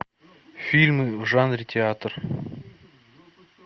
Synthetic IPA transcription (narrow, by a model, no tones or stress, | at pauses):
fʲilʲmɨʒanrʲit̪ʲʰeat̪r